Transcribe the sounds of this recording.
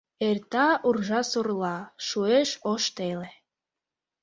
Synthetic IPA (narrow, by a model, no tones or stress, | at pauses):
ert̪ɑurʒɑsurlɑʃueʃoʃt̪ele